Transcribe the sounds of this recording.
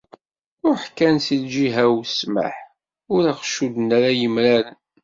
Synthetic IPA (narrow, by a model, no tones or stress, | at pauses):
ʊɾħkːænsild͡ʒiɦæwsma̰ħ | ʊɾaqʃud̪næɾajəmɾæɾən